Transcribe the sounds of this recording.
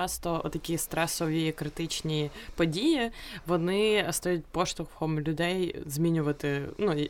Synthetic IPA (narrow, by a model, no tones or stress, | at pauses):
ast̪oɐ̰t̪ɐkʲijəst̪ɾɛsovʲɪjɪkɾɨt̪ɨt͡ɕnʲɪjəpɐdʲijɪvɐnɨɐst̪ɐjʲut̪̚ʲpoʂt̪ʊxxomlʲʊd̪ʲejzmʲinʲʊvət̪ɨnu